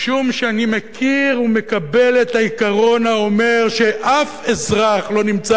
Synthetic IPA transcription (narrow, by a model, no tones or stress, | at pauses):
ʃumʃeanimekʰiʁume̞kabe̞le̞thaikaʁo̞nao̞me̞ʁʃeʔafezʁaχlo̞nimt͡sa